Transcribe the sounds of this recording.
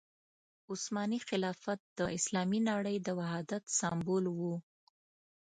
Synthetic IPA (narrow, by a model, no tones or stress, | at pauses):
ʊsmɑnixɪlɑfat̪̚d̪̥əʔɪslɑminɑɽəjd̪əwaɦɑd̪at̪sɑmbolwu